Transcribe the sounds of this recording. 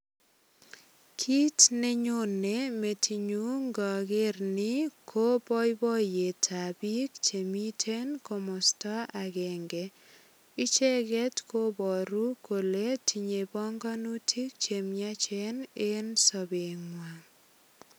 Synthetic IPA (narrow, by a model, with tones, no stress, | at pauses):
kʰi˦tne˦ɲo˦ne˨me˨tʰi˨ɲu˦ŋɡɔ˨ɡɪ˦ɾnɪ˦kʰo˦bɔ˦jbɔ˦je˨tʰa˨bi˦k̚t͡ʃe˨mi˦tʰe˦nko˨mɔ˨stɔ˦ʔa˨ɡɛ˨ŋɡɛ˨ | i˦t͡ʃɛ˦ɡɛ˦tko˦bɔ˨ɾu˦kʰo˨le˦tʰi˨ɲe˨bɔ˦ŋɡɔ˦nu˦tʰi˦k̚t͡ʃe˨mja˦t͡ʃɛ˦ne˦nsɔ˨be˨ŋwa˨